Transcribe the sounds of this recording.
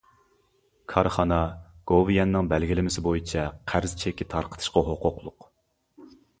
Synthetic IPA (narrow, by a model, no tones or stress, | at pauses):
kʰɑɾχɑnɑɡ̥ovjɛnːɪŋbɛlɡʲilɪmɪsɪbojit͡ʃʰɛqʰæɾzt͡ʃʰɛkʲːɪt̪ʰɑɾqʰə̥t̪ʰɨ̥ʃqɑɦoqʰʊqlˠʊq